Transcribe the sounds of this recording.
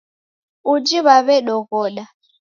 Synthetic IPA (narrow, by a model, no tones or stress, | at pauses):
ud͡ʒiβaβɛɗɔɣɔːɗa